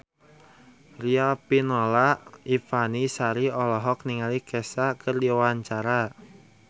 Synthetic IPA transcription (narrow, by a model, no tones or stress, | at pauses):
riapinolaʔifanisaɾiɔlɔɦɔk̚niŋalikesakʰərdiwaɲt͡ʃaɾa